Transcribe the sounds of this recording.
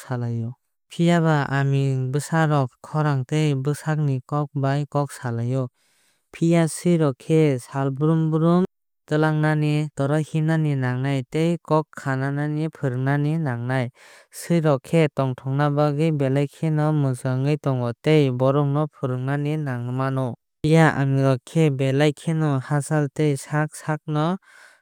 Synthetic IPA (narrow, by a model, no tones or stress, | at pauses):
salajɔ | pʰijaβaamibɯsaɾɔkʰːɔɾaŋtejbɯsak̚nikɔk̚bajkɔk̚salajɔ | pʰijasɯjɾɔkʰesalbɯɾumbɯɾum | tɯlaŋnanitɔɾɔhinaninaŋnajtejkɔkʰːanananipʰɯɾɯŋnaninaŋnaj | sɯjɾɔkʰetɔŋtʰɔŋnabaɡɯjbelajkʰenɔmɯsaŋɯjtɔŋɔtejbɔɾɔŋnɔpʰɯɾɯŋnaninaŋɯmanɔ | pijaa̰miɾɔkʰebelajkʰenɔhasaltejsak̚sak̚nɔ